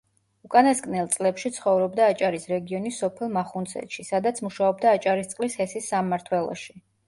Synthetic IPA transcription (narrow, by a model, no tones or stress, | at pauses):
ukʼanasɡʼnɛlˠt̪sʼlɛpʃit̪sʰχɔvɾɔbd̪aːt͡ʃʼaɾisɾɛɡiɔnisːɔpʰɛlˠmaχunt̪sʰɛ̰t̪ʃisad̪at̪sʰmuʃaɔbd̪aːt͡ʃʼaɾist̪sʼlishɛsisːamːaɾt̪ʰwɛlˠɔ̰ʃi